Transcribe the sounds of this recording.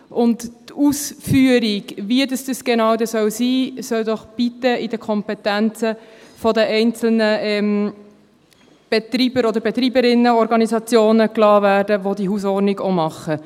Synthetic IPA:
ʔʊnttusfyːəɾiɡʋiəd̪əsd̥̪əsɡ̥enɑʊd̪əsœwsiːsœwd̪ɔχb̥it̪əʔɪd̥əkʰɔmpɛt̪ænt͡səfɔd̪əɛɪnt͡sl̩nəɛm | b̥et̪ɾiːbəɾɔd̪əɾbet̪ɾiːbəɾɪnːəɔɾɡɑnisɑt͡sjoːnəklɑːɾvæːɾdəʋod̪iɦus̬ɔɾniɡomɑχːə

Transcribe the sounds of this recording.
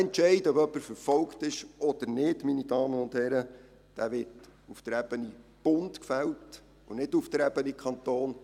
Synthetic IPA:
ɛntt͡ʃɛɪdəɔbœpːəɾfəɾfɔlktɪʃɔd̥̪əɾnɪdminid̥ɑːməʊnd̪hɛɾə | d̥æːʋɪtuft̪əɾɛb̥ənib̥ʊntkfɛlt | ʊnɪduft̪ɾɛb̥ənikʰɑnt̪oːn

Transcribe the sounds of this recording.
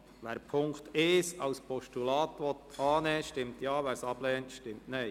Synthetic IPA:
ʋæːɾpʰʊŋkt̪ɪːsɑwspʰɔʃtulɑːt̪ʋɔt̪ɑːnɛːʃtɪmt̪jɑːʋæɾsɑb̥lɛːntʃtɪmtnɛj

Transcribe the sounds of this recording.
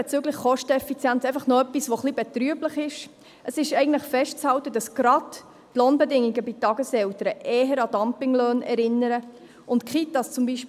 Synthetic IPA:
ɛt͡syːɡləχχɔʃtəɛfit͡sjænt͡sɛɪfɑχnoœpːisʋoχlibɛt̪ɾyəbləχɪʃ | ʔəsɪʃɛɪɡən̩tləχfɛʃtt͡shɑltədɑsɡ̥ɾɑd | tloːnbɛdɪŋiɡəbɪtɑɡəsɛltəɾəʔɛːɦəɾɑd̥ɑmpɪŋløːnɛɾɪnːəɾə | ʊntkχitɑst͡sʊmbiʃ

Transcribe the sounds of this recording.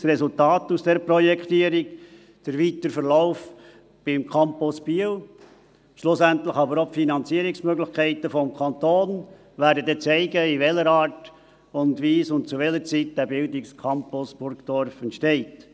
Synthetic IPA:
srɛsʊltɑːtusd̥ɛɾpɾɔjɛkʰtiəɾik | d̥əɾʋitəɾfəɾlaʊf | b̥ɪmkʰɑmpʊsb̥iəw | ʃlʊsæntləxɑbəɾopfinɑnt͡siəɾɪksmøɡlɪxkʰɛɪtəfɔmkʰɑnt̪oːn | ʋæːɾdədɛt͡sɛɪɡəiʋɛləɾɑːt | ʊndʋiːsʊnt̚t͡suʋɛləɾt͡sit̚d̥æbɪldɪkskʰɑmpʊsb̥ʊɾkd̥ɔɾfɛntʃtɛɪt

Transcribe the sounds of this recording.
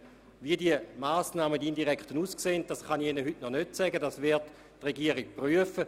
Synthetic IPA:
viədiəmaːsnaːmədiindiʁɛkχtənuːskseːnt̚d̥asχɑniχenəɦytnɔnøtsɛɡədasvɪʁtː | ʁeɡiəʁik̚pryəfə

